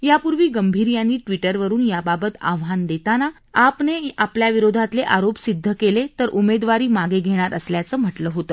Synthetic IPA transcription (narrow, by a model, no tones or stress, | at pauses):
japuɾʋiːɡəmbʱiɾjanːiːʈʋiʈəɾʋəɾuːnjababət̪a̰ʋɦand̪et̪ana | apneapljaʋiɾod̪ʱat̪leʔaɾopsid̪ʱːəkelet̪əɾʔumed̪ʋaɾiːmaɡeɡʱeɽ̃aɾəsljat͡səːm̤əʈləːɦot̪əː